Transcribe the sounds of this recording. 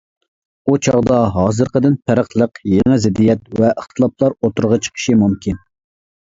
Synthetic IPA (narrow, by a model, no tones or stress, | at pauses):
ut͡ʃʰɑʁd̪ɑɦɑːzɨɾqəd̪ɪnpʰæɾəχlˠəqjeŋɪzɪd̪ijɛt̪vɛʔəχt̪ʰɨlˠɑp̚lˠɑɾot̪uɾʁɑt͡ʃʰə̥qʰə̥ʃimumkʲin